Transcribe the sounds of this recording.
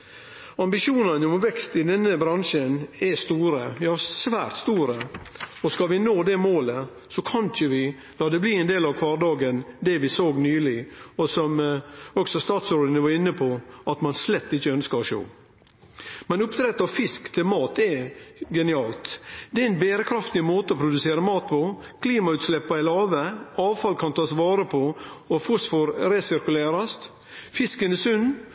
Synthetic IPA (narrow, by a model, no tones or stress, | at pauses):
ɑmbɪʃuːnənɔmʋɛkst̪ɪd̪ɛnːəbɾɑnʂənɛst̪uːɾəjɑːsʋæːɾt̪st̪uːɾəɔskɑʋɪnoːd̪ɛmoːlə | sɔkʰɑnçəʋɪ | lɑːd̪ɛbliːɛnd̪eːlɑʋkʰʋɑːɾd̪ɑːɡənd̪ɛʋɪsoːɡnyːlɪɔsɔmɔksɔst̪ɑːt̪soːɖ̪ənəʋɑɾɪnːəpʰɔʔɑt̪mɑnslɛt̪ːɪçːəœnskɑɾɔʃo̰ː | mɛnʊpt̪ʰɾɛt̪ːɑʋfɪskt̪ʰɪlmɑːt̪ɛɡɛnɪɑːlt̪d̪ɛɛɛnbeːɾəkʰɾɑft̪ɪmoːt̪əɔpʰɾʊd̪ʉseːɾəmɑːt̪̚pʰɔ | kʰliːmɑʉːt̪slɛpːɑɪlɑːʋəɑːʋfɑlkʰɑnt̪ʰɑːsʋɑːɾəpʰɔɔfʊsfɔɾɾɛsɪɾkʉleːɾɑst̪ | fɪskənɛsʉnː